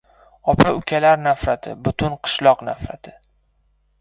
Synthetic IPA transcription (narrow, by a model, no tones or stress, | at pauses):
ɒpʰaʊkʲʰalaɾnafɾat̪ʰɪ̰bʊt̪ʰʊnqʰɨ̥ʃlˠɒqna̰fɾa̰t̪ʰɪ